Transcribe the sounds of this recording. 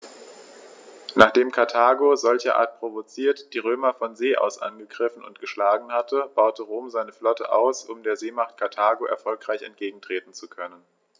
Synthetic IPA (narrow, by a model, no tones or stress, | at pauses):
naːχd̥eːmkʰaɐtʰaːɡozɔlçɐʔa̰ːɐt̚pʁ̥ovot͡siːɐtd̥iːʁ̞øːmɐfɔnzeːʔa̰ʊsʔa̰nɡəɡʁɪfn̩ʊ̰ntɡ̥əʃlaːɡŋ̩hatʰəb̥aʊtəʁoːmzaɪnəflɔtə̰ʔaʊsʊmdeːɐzeːmaχt̚kʰaɐtʰaːɡoʔɛ̰ɐfɔlkʁ̥aɪçɛ̰ntɡ̥eːɡŋ̩tʁ̥eːtn̩t͡sukʰœnən